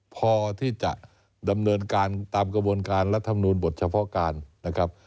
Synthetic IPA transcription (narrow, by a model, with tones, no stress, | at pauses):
pʰɔː˧t̪ʰiː˥˩t͡ɕa˨˩ʔ | da˧mnɤː˧nkaː˧nt̪aː˧mkɾa˧bu˧ənkaː˧nɾa˦˥t̪ʰːa˧mnuː˧nbo˨˩t̪̚t͡ɕʰa˧pʰɔ˦˥kaː˧nːa˦˥kʰɾa˦˥p̚